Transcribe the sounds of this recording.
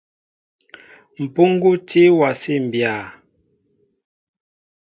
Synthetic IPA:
m̩˨pu˦ŋ˦ɡu˦te˦wa˨se˦˨m̩˨bja˨

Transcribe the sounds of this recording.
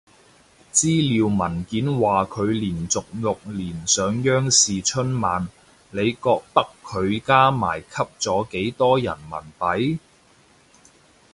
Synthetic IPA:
t͡siː˥liː˨˧wmɐ˨˩nkiː˨˥nwaː˨kʰɵ˨˧ɥliː˨˩nt͡sʊ˨k̚lʊ˨k̚liː˨˩nsœː˨˧ŋjœː˥ŋsiː˨t͡ʃʰɵ˥nmaː˨n | le˨˧jkɔː˧k̚t̪ɐ˥kʰːɵ˨˧ɥkaː˥ma̰ː˨˩jkʰɐ˥p̚t͡sɔː˨˥ke˨˥jt̪ɔː˥jɐ̰˨˩nmɐ̰˨˩npɐ˨˥j

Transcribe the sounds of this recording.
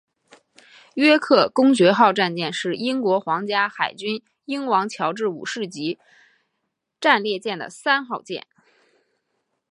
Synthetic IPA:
ɥɛ˥kʰɤ˥˩kʊ˥ŋt͡ɕɥɛ˧˥xɑ˥˧ʊʈ͡ʂa˥˧nt͡ɕjɛ˥˧nʂɻ̩˥˩i˥ŋkwɔ˧˥xwɑ˧˥ŋt͡ɕja˥xa˨˩ɪt͡ɕy˥n | i˥ŋwɑ˧˥ŋt͡ɕʰjɑ˧˥ʊʈ͡ʂɻ̩˥˩ṵ˨˩ʂɻ̩˥˩t͡ɕi˧˥ | ʈ͡ʂa˥˧nljɛ˥˧t͡ɕjɛ˥˩nd̪ə̰˩sa˥nxɑ˥˧ʊt͡ɕjɛ̰˥˩n

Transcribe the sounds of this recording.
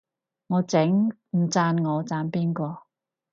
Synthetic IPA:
ŋɔː˨˧t͡sɪ˨˥ŋ | m̩˨˩t͡saː˧nŋɔː˨˧t͡saː˧npiː˥nkʷɔː˧

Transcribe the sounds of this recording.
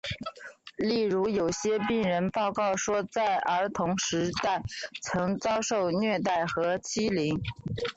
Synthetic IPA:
li˥˩ɻu˧˥jo˨˩ʊɕjɛ˥pi˥˩ŋɻə˧˥npɑ˥˧ʊkɑ˥˩ʊʂwɔ˥t͡sa˥˩ɪʔə˞˧˥t̪ʰʊ˧˥ŋʂɻ̩˧˥t̪a˥˩ɪt͡sʰɤ˧˥ŋt͡sɑ˥ʊʂo˥˧ʊnɥɛ˥˧t̪a˥˩ɪxɤ˧˥t͡ɕʰi˥li˧˥ŋ

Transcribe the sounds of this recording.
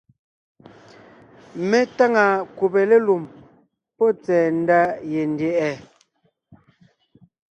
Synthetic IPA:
me˦ta˦ŋa˨ku˨pe˨le˦lu˨m | pɔ˦t͡sɛː˨n̩˦da˦je˨n̩˨djɛ˨ʔɛ˦˨

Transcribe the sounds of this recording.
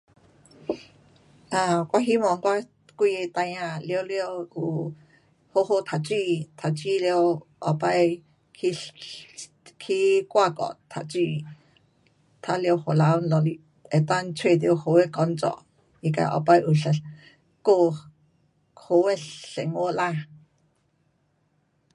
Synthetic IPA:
a˧kʷa˦ɦi˦mɔ˧˨ŋkʷa˦ | kʷi˦˧je˧t̪a˧jã˧ljo˧ljo˧hu˨ | ho˦ho˦t̪ʰa˨t͡ʃi˦t̪ʰa˨t͡ʃi˦ljo˧ʔɔ˨pa˦j | kʰi | kʰi˦kʼʷa˦˧kɔ̰˨ʔt̪ʰa̰˨t͡ʃi˧ | t̪ʰa˧ljo˧who˨la˨˧˦wnlɔ˧li˧ | e˨t̪a˦nt͡sʰwe˧˨t̪jo˧ho˧we˦kɔ˧nt͡sɔ̰˧˨ʔ | i˧ka̰˧˨ʔɔ̰˨pa˧jʔu˨ɬa˨ɬ | ko˦ | ho˧we˦ɬɬe˨ŋo˦la˧

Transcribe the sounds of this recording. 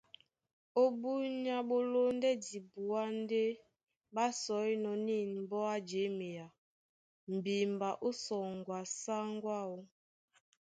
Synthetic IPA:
o˦bu˦ɲa˦ɓo˦lo˦n˦dɛ˦di˨bu˨a˦n˦de˦ | ɓa˦sɔ˨˦jnɔ˨˦ni˦˨nm̩˨bɔ˦a˦d͡ʒe˨˦me˨ja˨ | m̩˨bi˨m˨ba˨ʔu˦sɔ˨ŋ˨ɡwa˨sa˦ŋ˦ɡwa˦u˦

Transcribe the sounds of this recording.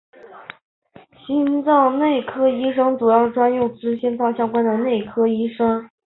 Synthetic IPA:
ɕi˥nt͡sɑ˥˧ŋne˥˩ɪkʰɤ˥i˥ʂ̬ɤ˥ŋʈ͡ʂu˨˩jɑ˥˩ʈ͡ʂwa˥njʊ˥˩ŋt͡sɹ̩˥ɕɛ˥nfɑ˥ʊɕjɑ˥ŋkwa˥nd̪ə˨ne˥˩ɪkʰɤ˥i˥ʂɤ˥ŋ

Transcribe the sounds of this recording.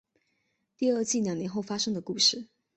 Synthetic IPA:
t̪i˥˧ə˞˥˧t͡ɕi˥˩ljɑ˨˩ŋnjɛ˧˥nxo˥˩ʊfa˥ʂɤ˥ŋd̪ə˨ku˥˧ʂɻ̩˥˩

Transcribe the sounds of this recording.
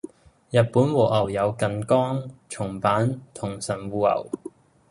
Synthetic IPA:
jɐ˨t̚puː˨˥nwɔː˨ʔɐ˨˩wjɐ˨˧wkɐ˨nkɔː˥ŋt͡ʃʰʊ˨˩ŋpaː˨˥nt̪ʰʊ˨˩ŋsɐ˨˩nwuː˨˧ɐ̰˨˩w

